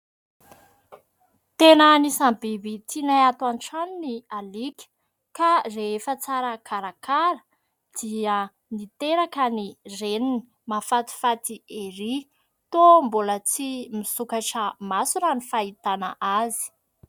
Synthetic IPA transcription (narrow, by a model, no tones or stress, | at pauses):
t̪enanisambibit͡sinaat̪wanʈ͡ʂaninialikʲə̥ | kareefət͡saɾəkʰaɾakaɾə | d̪̥iə | nit̪eɾakənirenini̥ | mafat̪i̥fat̪ieɾi | t̪ombolət͡simisukaʈ͡ʂəmasunanifait̪ana̰ʔazi̥